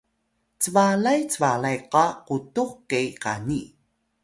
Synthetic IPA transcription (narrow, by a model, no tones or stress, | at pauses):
t͡səvalajt͡səvalajqɑqutuχkejka̰ni